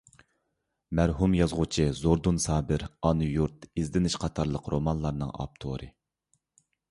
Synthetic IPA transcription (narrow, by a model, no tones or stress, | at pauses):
mæɾɦumjɑzʁʊt͡ʃʰizoɾd̪unsɑːbɪɾɑnujuɾt̪izd̪ɪnɪʃqʰɑt̪ʰɑɾlˠəqʰɾomɑnlˠɑɾnɨŋɑ̰p̚t̪ʰo̰ɾɨ̰